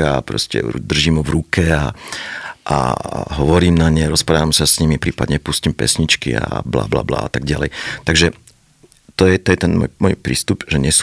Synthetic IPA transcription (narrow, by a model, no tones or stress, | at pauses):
apɾɔ̰scɛ̰ṵd̪r̩ʒimuʋɾukɛa̰ | ʔa̰ɦɔʋɔɾiːmnaɲɛɾɔspɾaːʋamsasɲimipɾiːpad̪ɲɛpuscimpɛ̰sɲit͡ʃkḭa̰bla̰ːbla̰ːbla̰ːat̪aɡ̚ɟalɛjt̪aɡʒɛ | t̪ɔjɛt̪ɔjɛt̪ɛnmɔ̰jmɔjpɾḭːst̪upʒɛɲɛs